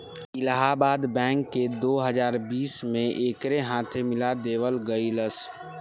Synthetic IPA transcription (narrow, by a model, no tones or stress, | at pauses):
ɪlaɦabaːd̪bɛ̃ːŋkːed̪oːɦəzaːɾbiːsmẽʔeːkɾeɦãːt̪ʰemɪlad̪eːʋəlɡəiləs